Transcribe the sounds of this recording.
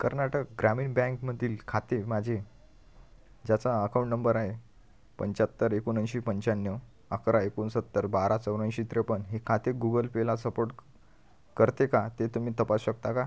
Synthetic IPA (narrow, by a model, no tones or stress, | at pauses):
kəɾnaʈək̚ɡɾamiːnbɛ̃ŋkməd̪ʱiːlkʰat̪emad͡ʑʱe | d͡ʑat͡saəkaw̃ɳʈnəmbəɾaɦe | pəɲt͡ɕat̪ːəɾekunə̃nɕipəɲt͡ɕanjə | əkɾaekunsət̪ːəɾbaɾat͡səwɾə̃nɕit̪ɾepənɦekʰat̪eɡuɡəlpelasəpoɾʈ | kəɾt̪ekat̪et̪um̤iːt̪əpasɕək̚t̪aka